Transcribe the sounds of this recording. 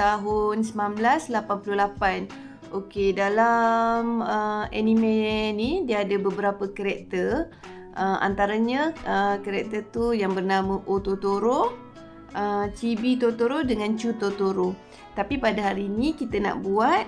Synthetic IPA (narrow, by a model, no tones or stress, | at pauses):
t̪aɦʊnsəmnãmblaslapanpululapan | okedalaməɛnimenidiəːdəbəbəɾapəkəɾɛk̚t̪ər | ʔəma̰nt̪aɾaɲə̃əkəɾɛk̚t̪ət̪ujaŋbərnaməʔot̪ot̪oɾo | ʔət͡ʃibit̪ot̪oɾodəŋãnt͡ʃut̪ot̪oɾo | t̪apipadaɦaɾinĩkit̪əna̰ʔbuat̪̚